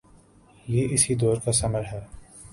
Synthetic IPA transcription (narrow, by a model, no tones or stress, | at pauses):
jeːʔɪsid̪ɔːɾkasɐməɾɦɛː